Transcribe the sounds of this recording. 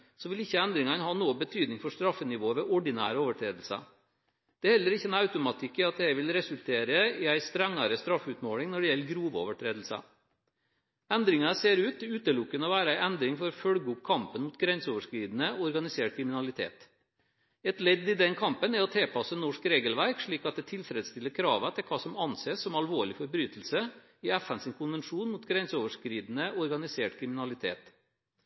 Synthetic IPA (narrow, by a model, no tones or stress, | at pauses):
sɔʋɪlɪçːəɛnd̪ɾɪŋɑnhɑːnoːəbət̪ʰyːd̪nɪŋfɔʂt̪ɾɑfːənɪʋoːʋɛʔɔɖɪnæ̰ːɾəoːʋəʈʰɾeːd̪l̩sə̰ | d̪̥ɛæhɛlːəɾɪçːəɛnɑʉt̪ʊmɑt̪ʰɪkːɪɑt̪̚d̪ɛhæʋɪlɾɛsʉlt̪ʰeːɾəɪæɪst̪ɾɛŋːɑɾəst̪ɾɑfːʉːt̪moːɽɪŋnɔɖɛjɛlːəɡɾuːʋəo̰ːʋəʈʰɾeːd̪l̩sə̰ | ɛnd̪ɾɪŋɑseːɾʉːt̪ʉːt̪əlʊkːənɔʋæːɾəæɪɛnd̪ɾɪŋfɔɾɔfœlɡəʊp̚kʰɑmpənmʊt̪ɡɾɛnsoːʋəʂkɾiːd̪n̩əɔɾɡɑnɪseːʈ̚kʰɾɪmɪnɑlɪt̪ʰḛːt̪ | ɛt̪lɛd̪ɪd̪ɛnkʰɑmpənæɾɔt̪ʰeːpʰɑsənɔʂkɾeːɡəlʋæɾkʂɭiːkɑt̪̚d̪ɛːt̪ʰɪlfɾɛd̪st̪ɪlːəɾkʰɾɑːʋət̪ʰɪlkʰɑːsɔmɑnseːsːɔmɑlʋoːɭɪfɔɾbɾyːt̪l̩sə | ɪæfænsɪnkʰʊnʋɛnʂuːnmuːt̪ɡɾɛnsoːʋəʂkɾiːd̪n̩əɔɾɡɑnɪseːʈkʰɾɪmɪnɑlɪt̪ʰḛːt̪